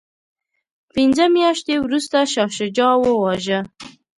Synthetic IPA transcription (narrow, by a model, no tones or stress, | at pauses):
pɪnzəmjɑʃt̪ewɾust̪aʃɑʃəd͡ʒɑwəwɑʒə